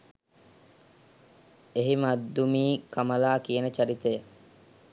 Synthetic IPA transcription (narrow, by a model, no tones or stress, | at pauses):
eɦimɐd̪ːumiːkʰɐmɐlaːkienət͡ʃɐɾit̪ejə